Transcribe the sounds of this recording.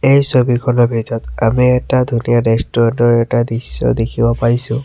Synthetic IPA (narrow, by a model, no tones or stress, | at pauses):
ejsobikʰɔnɔbʱitɔtamiɛtadʱunijanestɔɔnɔɹɛtadisːɔ̰dekʰibɔpaɹisʊ̃